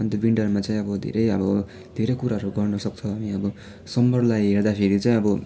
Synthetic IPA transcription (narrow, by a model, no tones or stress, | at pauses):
ant̪ebiɳɖʌrmat͡saĩʌbʌd̪ʱḛɾʌjʌbʌ | d̪ʱeɾʌjkuɾaɦʌɾuɡʌrnʌsʌk̚t͡sʰʌamiʌbʌ | sʌmbʌrlajɦerd̪apʰeɾit͡saĩʌbʌ